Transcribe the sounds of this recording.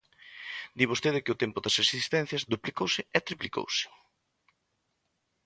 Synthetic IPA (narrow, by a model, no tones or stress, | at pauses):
d̪iβost̪eðɪkɪʊt̪ɛmpʊd̪ɐsesist̪ɛn̟θjɐzd̪uplikowsɪɛt̪ɾipliko̰wsɪ̥